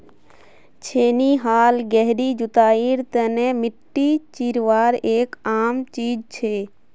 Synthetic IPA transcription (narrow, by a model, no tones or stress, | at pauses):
t͡ʃʰeːniɦaːlɡɛɦɾiːd͡ʒʊt̪aːiːɾt̪ənemɪʈːit͡ʃiːɾʋaːɾeːkaːmt͡ʃiːd͡ʒt͡ʃʰeː